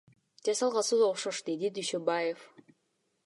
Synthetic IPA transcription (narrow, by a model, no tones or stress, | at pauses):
d͡ʒɑsɑlˠʁɑsɯd̪oχʃoʃd̪ed̪id̪yʃøbajef